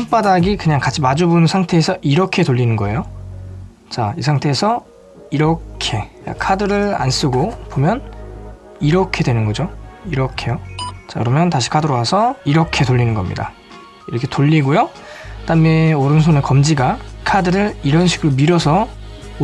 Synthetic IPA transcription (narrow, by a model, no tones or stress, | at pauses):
mp͈adaɡikɯɲaŋkat͡ɕʰimad͡ʑubunnsʰaŋtʰe̞ːsʰʌʔiɾʌkʰe̞toʎːinɯnɡʌe̞jo | t͡ɕais̬ʰaŋtʰe̞ːsʰʌ | iɾʌkʰe̞a̰kʰadɯɾɯɭa̰ns͈ɯɡopomjʌn | iɾʌkʰe̞dwe̞nɯnɡʌd͡ʑoiɾʌkʰe̞jot͡ɕajɯɾʌmjʌntaɕʰi̥kʰadɯɾoɦasʰʌiɾʌkʰe̞toʎːinɯnɡʌmɲḭda̰ | iɾʌkʰe̞toʎːiɡojo | t͈ameoɾɯns̬ʰone̞kʌmd͡ʑiɡakʰadɯɾɯɾiɾʌnɕʰiɡɯɾomiɾʌsʰʌ